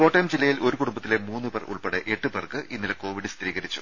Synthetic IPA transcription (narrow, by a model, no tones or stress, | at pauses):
oːʈːɐjmd͡ʑilːɐjilo̞ɾukuɽumbɐt̪ːilemuːnːɨbɐrṵɭpeɽeʔeʈːɨbɐrkɨʔʔinːileko̞ːʋiɽɨst̪riːɣɐɾit͡ɕːu̥̰